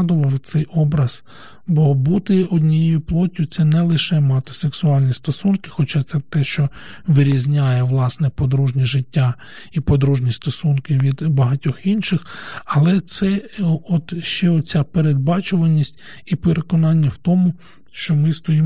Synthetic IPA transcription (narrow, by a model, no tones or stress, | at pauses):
d̪ʊʋɐwt̪sɛjʔɔbɾɐz̥ | bɔbut̪ɪɔdʲnʲijejʊplˠɔtʲjʊt̪sɛnɛlˠɪʃɛmɑt̪ɪ̥seksʊɑlʲnʲist̪ɔsunkɪ̥xɔt͡ʃat̪sɛt̪ɛʃt͡ʃɔ | ʋɪɾʲizʲnʲajɛʋlˠɑsnɛpɔd̪ɾuʒnʲiʒɪtʲːa | ipɔd̪ɾuʒnʲist̪ɔsunkɪʋʲid̪bɐɦɐtʲɔxinʃɪxɐlˠɛt̪sɛɔt̪ʃt͡ʃɛɔt͡sʲapeɾed̪̚bɑt͡ʃʊʋɐnʲːisʲtʲ | ipeɾekɔnɑnʲːɐwt̪ɔmʊ | ʃt͡ʃɔmɪst̪ɔjim